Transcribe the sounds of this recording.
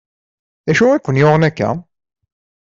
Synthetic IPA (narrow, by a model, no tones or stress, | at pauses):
ðæʃuækʷʊnjoʁənækːæ̰